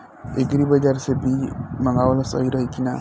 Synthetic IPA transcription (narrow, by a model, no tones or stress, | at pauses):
ekɾibəd͡ʒaɾsebʱiməŋɡawlosə̰ɦiɾəɦikina